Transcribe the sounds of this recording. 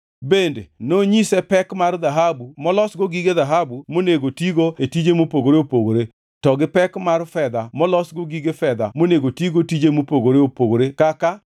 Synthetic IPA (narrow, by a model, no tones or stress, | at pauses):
bendḛnoɲisɛpɛkmarðaɦabumɔlɔsɡoɡiɡeðaɦabumoneɡotiɡoetid͡ʒemopoɡoɾeopoɡoɾe | tɔɡɪpɛkmarfɛd̪amɔlɔsɡoɡiɡefɛd̪a̰moneɡotiɡotid͡ʒemopoɡoɾeopoɡoɾekaka